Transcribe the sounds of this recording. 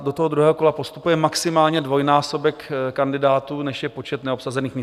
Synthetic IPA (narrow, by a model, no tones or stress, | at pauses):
dot̪oɦodɾuɦɛːɦoko̞lapo̞st̪upujɛmaksɪmaːlɲɛdvo̞jnaːso̞bɛkkandɪdaːt̪uːnɛʃjɛpo̞t͡ʃɛt̪nɛopsazɛniːxmɲɪ